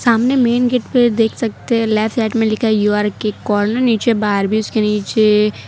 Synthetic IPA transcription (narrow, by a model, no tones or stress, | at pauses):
saːmnemeːnɡeʈped̪eːkʰsɐk̚t̪eɦɛ̃lɛːfsɛːʈmẽlɪkʰajuaːɾkekɔːɾnəɾniːt͡ʃebaːɾbʱiʊskeniːt͡ʃe